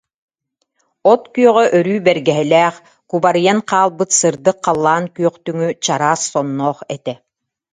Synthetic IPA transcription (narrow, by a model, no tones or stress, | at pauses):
ɔt̪kyœʁœʔœɾyːbɛɾɡɛɦɛlɛːχ | kubaɾɯjanqaːlˠbɯt̪sɯɾd̪ɯqʰːalˠːaːnkyœqt̪yŋyt͡ɕaɾaːsːɔnːɔːχɛt̪ɛ